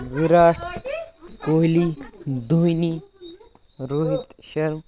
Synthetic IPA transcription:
ʋiɾaːʈʰ | koːɦlid̪ʱujni | ɾuɦit̪ʃɐɾm

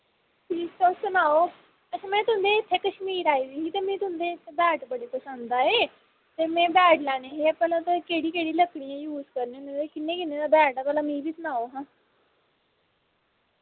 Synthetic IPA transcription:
ʈiːsoːsʊnaːoː | ət͡ʃʰãːmɛ̃ːt̪ʊə̃nd̪eːɪt̪ʰːeːkəʃmiːɾaːiːd̪iːiːt̪eːmɛ̃ːt̪ʊɦə̃nd̪eːɪt̪ʰːeːbɛːʈbəɽeːpəsə̃nd̪d̪aːeː | t̪eːmɛ̃ːbɛːʈlɛːɽ̃eːɦeːpɛːlãːt̪akeːɽiːkeːɽiːləkɽijãːjuːzkəɾneːnẽːd̪eːkɪnːẽːkɪnːẽːd̪aːbɛːʈaːpɛːlãːmĩːbiːsʊnaːoːɦãː

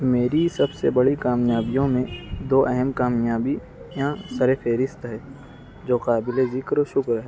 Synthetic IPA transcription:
meːɾisɐbsebɐɽikaːmjaːbijõmẽd̪oːʔɛɦɛmkaːmjaːbi | jãsɐɾepʰeːɾɪst̪ɦɛː | d͡ʒoːqaːbɪlezɪkɾoʃʊkɾɦɛː

